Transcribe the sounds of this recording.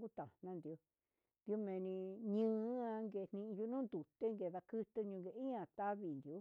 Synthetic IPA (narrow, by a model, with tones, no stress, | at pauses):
ku˦t̪a˨nã˧nd̪i˧o˧ | d̪i˧o˧mẽ˧nĩ˧ɲɨ̃ː˦a˧ŋɡe˧˨˧n̥ĩ˧ʔju˧˦nũː˦nd̪u˨t̪e˦ŋɡe˧ða˧kɨ˦t̪ɨ˧ɲũ˧ɡe˧˨i˦ã˨t̪a˦βi˨nd̪i˨o˦